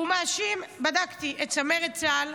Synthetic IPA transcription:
umaːʃimbadakt̪iʔett͡sameʁet͡sal

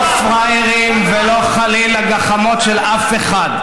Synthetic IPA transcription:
fʁajʁimvelo̞χalilaɡaχamo̞tʃelʔafeχad

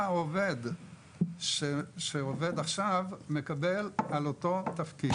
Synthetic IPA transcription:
oved̪ | ʃeʃeove̞d̪aχʃavme̞kabe̞laloto̞t̪afki

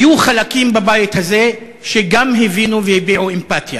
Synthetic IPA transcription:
juχalakimbabajit̪haze̞ | ʃeɡamɦevinuvehebiʕuempat̪ja

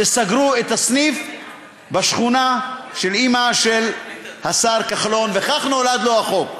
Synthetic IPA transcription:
esaɡʁuet̪hasnif | baʃχunaʃe̞limaʃelhasaʁkaχlo̞nveχaχnolad̪loaχo̞k

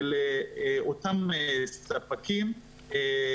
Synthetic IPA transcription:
leotamesapakim | e

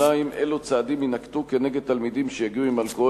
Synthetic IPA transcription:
aimʔelut͡saːd̪iminakt̪ukene̞ɡed̪̚t̪almid̪imʃejaɡiuimalko

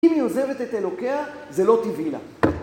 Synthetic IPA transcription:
imioze̞ve̞t̪et̪elo̞keazelo̞t̪ivila̰

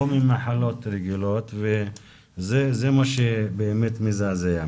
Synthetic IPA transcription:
omimaħalo̞t̪ɾeɡilot̪ve | zezemaʃebeːmet̪mizazea

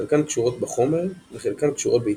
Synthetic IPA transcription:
elkankʃuʁo̞t̪beχomeʁveχelkankʃuʁot̪̚bei

